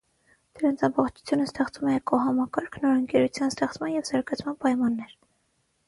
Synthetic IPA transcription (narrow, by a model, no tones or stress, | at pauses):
d̪̥əɾɑnt͡sʰɑmbɔχt͡ʃʰu̥t͡sʰjunəst̪ɛχt͡sumɛɛkɔɦɑmɑkɑɾkʰnɔɾəŋkɛɾut͡sʰjɑnst̪ɛχt͡smɑnjɛvzɑɾɡɑt͡sʰmɑnpɑjmɑnːɛɾ